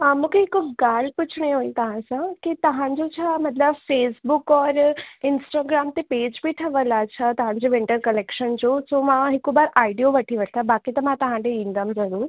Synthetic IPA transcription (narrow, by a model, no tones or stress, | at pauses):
əmũkʰeɪkɡaːl̤pʊt͡ɕʰɽ̃eɦoːĩt̪ɐɦãsãkit̪ɐɦãɲd͡ʑot͡ɕʰamɐt̪ləbfeːsbʊkɔːɾɪnsʈaːɡɾaːmt̪epeːd͡ʑbiʈʰəʋəlat͡ɕʰat̪ɐɦãd͡ʑoʋɪ̃ɳʈəɾkɐlekʃənd͡ʑoːsomãɦɪkobaːɾaːiɖijoʋɐʈʰiʋəʈʰt̪ʰabaːkit̪ɐmãt̪ɐɦãd̪eĩnd̪əmzɐɾuːɾ